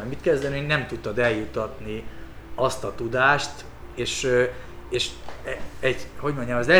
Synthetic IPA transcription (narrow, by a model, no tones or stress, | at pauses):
ɔjmit̪̚kɛzd̪ɛninɛmt̪ut̪ːɒd̪ɛljut̪ːɒt̪niɒst̪ɒt̪ud̪aːʃt̪ | eːʃ | eːʃ | ɛɟho̞ɟmo̞ɲɟɒmɛzlɛ